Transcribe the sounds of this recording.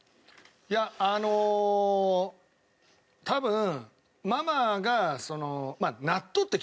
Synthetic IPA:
jaːno̞ | t̪ʰabɯ̟̃ | mamaɡaso̞no̞manat̪ːot̪ːekʲ

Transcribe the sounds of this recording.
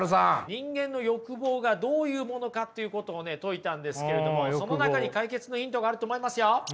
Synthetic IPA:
ɯsãɲĩŋɡẽ̞nːo̞jo̞kɯ̟bo̞ːɡad̪o̞ːjɯ̟ːmo̞no̞kat̪ːe̞jɯ̟ko̞t̪o̞ːne̞t̪o̞it̪ãnd̪e̞sɨ̥ke̞ɾe̞d̪o̞moso̞no̞nakaɲ̟ikaike̞t͡sɨno̞çĩnt̪o̞ɡaːɾɯ̟t̪o̞ːmo̞imasɨjo̞

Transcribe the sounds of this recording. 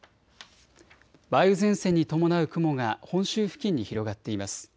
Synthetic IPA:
baiɯ̟zẽ̞ɰ̃sẽ̞ɲ̟ːit̪o̞mo̞naɯ̟kɯ̟mo̞ɡahõ̞ɕɨːɸɯ̟̥kʲĩɲ̟ːiçiɾo̞ɡat̪ːe̞imasɨ̥

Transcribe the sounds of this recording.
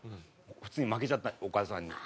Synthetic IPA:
ɸɯ̥t͡sɨːɲ̟imak̬et͡ɕat̪ːaokaːsãɲ̟ːḭ

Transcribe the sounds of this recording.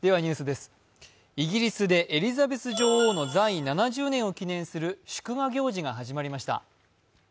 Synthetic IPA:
d̪̥e̞βaɲ̟ɨ̟ːsɨd̪e̞sɨ̥ | iɡʲiɾʲisɨd̪e̞ʔeɾʲizabe̞t͡sɨʑo̞ːho̞ːno̞zainanaʑɨːnẽ̞ɰ̃o̞kʲinẽ̞ɰ̃sɨɾɯ̟ɕɨ̥kɯ̟ɡaɡʲo̞ːʑiɡaɦaʑimaɾʲimaɕi̥t̪a̰

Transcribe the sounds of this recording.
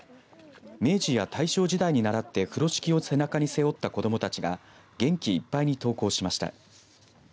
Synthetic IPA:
me̞ːd͡ʑijat̪aiɕo̞ːʑid̪aiɲ̟inaɾat̪ːe̞ɸɯ̟ɾo̞ɕi̥kʲio̞se̞nakaɲ̟ise̞o̞t̪ːako̞d̪o̞mo̞t̪at͡ɕiɡa̰ | ɡ̥ẽ̞ŋkʲiːpːaiɲ̟it̪o̞ːko̞ːɕimaɕi̥t̪a̰

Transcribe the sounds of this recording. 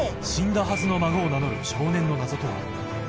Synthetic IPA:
ɕĩnd̪aɦazɨno̞maɡoːnano̞ɾɯ̟̰ɕo̞ːnẽ̞nːo̞nazo̞t̪o̞βa̰

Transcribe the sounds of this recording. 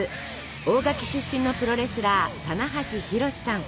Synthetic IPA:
ɨ | o̞ːɡakʲi̥ɕɨɕːĩnːo̞pɯ̟ɾo̞ɾe̞sɨɾat̪anaɦaɕiçiɾo̞ɕi̥sãŋ

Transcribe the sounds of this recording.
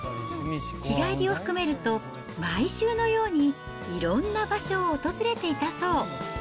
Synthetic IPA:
iɡaiɾʲio̞ɸɯ̟̥kɯ̟me̞ɾɯ̟t̪o̞ | maiɕɨːno̞jo̞ːɲ̟i | iɾõ̞nːabaɕo̞ːt̪o̞zɨɾe̞t̪e̞it̪aso̞ː

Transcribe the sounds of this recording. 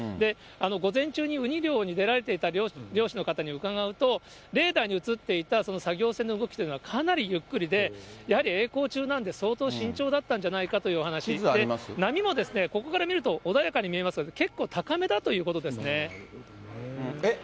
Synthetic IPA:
d̪e̞ | ano̞ɡo̞zẽ̞ɲ̟t͡ɕɨːɲ̟iɯ̟ɲ̟iɾʲo̞ːɲ̟id̪e̞ɾaɾe̞t̪e̞it̪aɾʲoɾʲo̞ːɕino̞kat̪aɲ̟iɯ̟kaɡaɯ̟t̪o̞ | ɾe̞ːd̪aiɲ̟iɯ̟t͡sɨt̪ːe̞it̪aso̞no̞saɡʲo̞ːsẽ̞nːo̞ɯɡo̞kʲit̪o̞jɯ̟noakʰanaɾʲijɯ̟kːɯ̟ɾʲid̪e̞jahaɾʲie̞ːko̞ːt͡ɕɨːnãnd̪e̞so̞ːt̪o̞ːɕĩɲ̟t͡ɕo̞ːd̪at̪ːãɲ̟d͡ʑanaikat̪o̞jɯoɦanaɕid̪emnamʲimo̞d̪e̞sɨne̞ko̞ko̞kaɾamʲiɾɯ̟t̪o̞ʔod̪ajakaɲ̟imʲie̞masɨɡad̪eke̞kːo̞ːt̪ʰakame̞t̪at̪o̞jɯ̟ːko̞t̪o̞d̪e̞sɨne̞

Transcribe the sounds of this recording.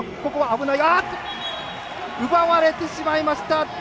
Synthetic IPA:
kokoβaːbɯnaiɡat̪ː | ɯbaβaɾe̞t̪e̞ɕimaimaɕi̥t̪at̪

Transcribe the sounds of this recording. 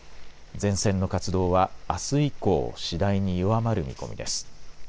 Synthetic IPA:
d͡zẽ̞ɰ̃sẽ̞nːo̞kat͡sɨd̪o̞ːβaːsɨiko̞̰ːɕid̪aiɲ̟ijoβamaɾɯ̟mʲḭko̞̰mʲḭd̪e̞sɨ̥

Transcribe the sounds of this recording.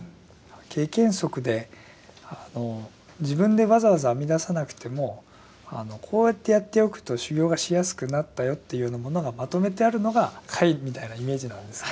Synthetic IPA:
kʰe̞ːkẽ̞ɰ̃so̞kɯ̟d̪e̞ | ano̞ | d͡ʑibɯ̟̃nd̪e̞βazaβazaːmʲid̪asanakɯ̟̥t̪e̞mo̞ | a̰no̞kʰo̞ːjat̪ːe̞jat̪ːe̞o̞kɯ̟̥t̪o̞ɕɨɡʲo̞ːɡaɕijasɨ̥kɯ̟nat̪ːajo̞t̪ːejɯɯːnamo̞no̞ɡamat̪o̞me̞t̪e̞aɾɯ̟no̞ɡakʰaimʲit̪ainaime̞ːd͡ʑinãnd̪e̞sɨ̥

